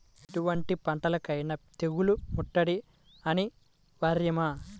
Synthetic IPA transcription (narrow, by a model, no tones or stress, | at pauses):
eʈuʋɐɳʈipɐɳʈɐlɐkɐjnɐt̪eɣulumuʈːɐɽi | ɐni | ʋɐɾjɐmaː